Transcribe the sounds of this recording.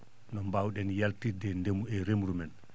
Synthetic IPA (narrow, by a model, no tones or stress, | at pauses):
nɔmbawɗɛnjaltidɛndemuɛɾemɾumɛn